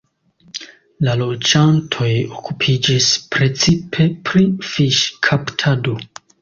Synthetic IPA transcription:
lalo̞d͡ʒantʰo̞jokʰupʰid͡ʒispɾe̞t͡sipʰe̞pɾifiʃkʰaptʰado

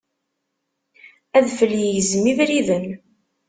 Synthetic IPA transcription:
æðfəljəjəzmivɾiðən

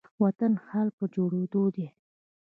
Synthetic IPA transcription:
wat̪anhalk̚pəd͡ʒoɽed̪od̪e

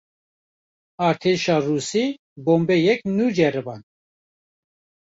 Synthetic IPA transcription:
ɑːɾt̪ʰeʃɑːruːsiː | boːmbɛjɛknuːd͡ʒɛɾɨbɑn

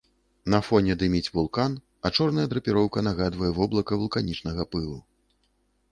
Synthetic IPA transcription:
nɐfɔnʲɛd̪ɨmʲit͡sʲvulˠkan | ɐt͡ʂɔrnɐjɐd̪ɾɐpʲiɾɔwkɐnaɣad̪vɐjɛvɔblˠɐkɐvulˠkanʲit͡ʂnɐɣɐpɨlˠu

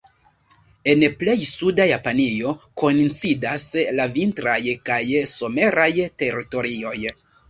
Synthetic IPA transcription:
e̞nple̞jsudajapanio̞ko̞nt͡sidaslavintɾajkajso̞me̞ɾajte̞ɾito̞ɾio̞j

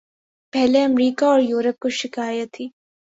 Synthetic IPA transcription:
pɛɦleɐmɾiːkaɔːɾjuːɾəp̚koʃɪkaːjət̪ʰːiː

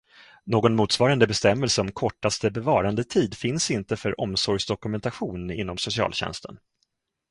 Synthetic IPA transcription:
noːɡɔnmuːt̪svɑːɾand̪əbɛst̪ɛmːɛlsəɔmkʰɔʈːast̪əbɛvɑːɾand̪ət̪ʰiːd̪fɪnsɪnt̪əfœɾʔɔmsɔɾjsd̪ɔkɵmɛnt̪aɧuːnɪ̰nːɔmsʊsɪɑ̰ːlɕɛ̰nst̪ʰə̰n

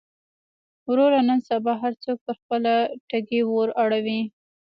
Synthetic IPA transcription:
wɾoɾanənsabɑɦaɾt͡sok̚pəɾxpəlaʈaɡewoɾaɽawi

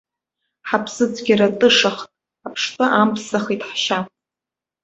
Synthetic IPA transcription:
ħapʰsɨd͡zʼɡʲiɾatʼɨʂaχtʼ | apʰʂtʼɨʔampʰsaχitʼħʃa

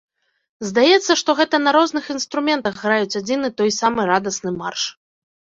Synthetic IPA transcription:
zd̪ajɛt̪sːɐʂt̪ɔɣɛt̪ɐnɐɾɔznɨxinst̪ɾumʲɛnt̪ɐɣɣɾajut͡sʲad͡zʲinɨt̪ɔjsamɨɾad̪ɐsnɨmarʂ

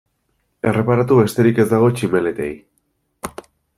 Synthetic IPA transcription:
e̞re̞paɾat̪uβe̞st̪e̞ɾike̞zd̪aɣ̞o̞t͡ʃime̞le̞t̪e̞̰j

